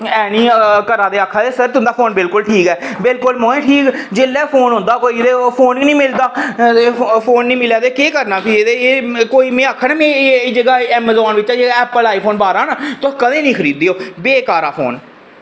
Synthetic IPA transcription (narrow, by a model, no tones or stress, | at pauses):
ɛːnĩːkəɾãːd̪eːaːkʰːaːd̪eːsəɾt̪ʊnd̪aːpʰoːnbɪlkʊlʈʰiːkɛːbɪlkʊlmõːẽːʈʰiːkd͡ʒeːlːɛːpʰoːnɦʊ̃nd̪aːkoːid̪eːpʰoːniːnĩːmɪld̪aː | pʰoːnːĩːmɪljaːd̪eːkeːkəɾnaːpʰɪeːd̪ekoːiːmẽːaːkʰːanaːmɛ̃ːd͡ʒəɡaːɛːmezɔːnʋɪt͡ʃaːd͡ʒəɡaɛːpəlaːiːpʰoːnbaːɾãːnaːt̪ʊkəd̪ẽːnĩːkʰəɾiːd̪iːoːbeːkaːɾaːpʰo̰ːn